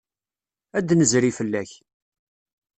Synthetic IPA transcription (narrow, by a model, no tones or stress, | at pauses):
æd̪nəzɾifəlːæç